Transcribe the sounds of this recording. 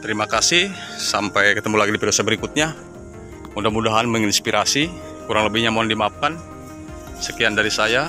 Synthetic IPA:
t̪əɾimakasɪhsampajkət̪əmulaɡidipidosabəɾikʊt̪̚ɲa | undamudaɦanməŋinspiɾʔasi | kuɾaŋləbɪhɲamoandimaːp̚kan | səkiandaɾisaja

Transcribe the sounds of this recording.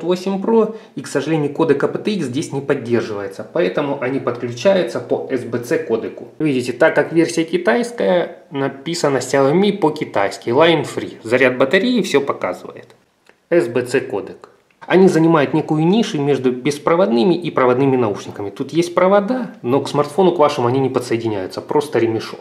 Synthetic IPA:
t̪vosʲɪmʲpɾo | iksəʐɨlʲenʲɪjʊko̞d̪ɨkɐpɨt̪ɨizʲdʲesʲnʲɪpɐdʲːe̞rʐɨvəjɪt̪səpɐɛt̪əmʊʔɐnʲipət̪klʲʉt͡ɕæjʊt̪səpəʔɛzbɛt̪sɛko̞d̪ɨkʊvʲidʲɪtʲɪt̪akːakvʲe̞rsʲɪjəkʲɪt̪ajskəjənɐpʲisənəsʲtʲalˠɐmʲipəkʲɪt̪a̰jskʲɪlˠajɪnfɾʲizɐɾʲad̪̚bət̪ɐɾʲejɪfsʲopɐka̰zɨ̰və̰jɪ̰t̪ | ɛzbɛt̪sɛkod̪ɨk | ɐnʲizənʲɪmajʊt̪nʲe̞kʊjʊnʲiʂɨmʲe̞ʐd̪ʊbʲɪspɾəvɐd̪nɨmʲɪʔipɾəvɐd̪nɨmʲɪnɐuʂnʲɪkəmʲɪt̪ut̪jesʲt̚ʲpɾəvɐd̪ano̞ksmɐrt̪fo̞nʊkvaʂɨmʊɐnʲinʲɪpət̪səjɪdʲɪnʲæ̰jʊt̪səpɾo̞st̪əɾʲɪmʲɪʂo̰

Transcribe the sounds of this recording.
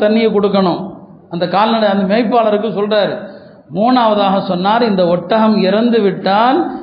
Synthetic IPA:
t̪ɐɳːɪjɐkɔɽɯk̬ːɐɳʊ̃m | ɐnd̪ɐkaːlnɐɽɐɐnd̪ɐmɛɐɪpːaːlɐɾɯk̬ːɯsɔlraːɾ | muːnaːʋɐðaːɣɐsɔnːaːɾɪnd̪ɐɔʈːɐɣɐmɪɾɐnd̪ɯʋɪʈːaːl

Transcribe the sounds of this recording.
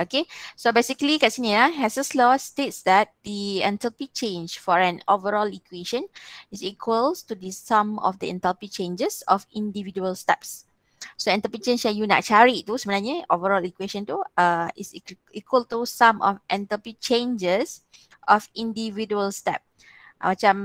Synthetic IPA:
okesobesikəlikatsiniahɛsəslɔstetsdɛt̚d̪iɛ̃ntəpit͡ʃẽnd͡ʒfɔɹɛ̃novəɹɔlikweʃə̃nisikʰwəltudisãmɔ̰fdiɛ̰̃ntəlpit͡ʃẽnd͡ʒəsɔfĩndividuəlstɛps | soɛ̃ntəpit͡ʃẽnʃɛjuna̰ʔ̚t͡ʃaɹit̪usəbə̃naɲəovəɹɔlikweʃə̃nt̪uãḭs | ikʰwəlt̪usãmʔɔ̰fʔɛ̃ntəpit͡ʃẽnd͡ʒəs | ʔɔfĩndividuəlstɛ̰p̚ | mat͡ʃãm

